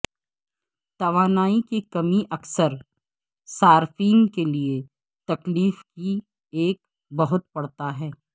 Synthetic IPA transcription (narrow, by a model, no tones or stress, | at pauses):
t̪ɐʋaːnaːikikɐmiʔɐksəɾ | saːɾfiːnkelie | t̪ɐkliːfki | eːk̚ | bɐɦʊt̪̚pɐɽt̪aɦɛː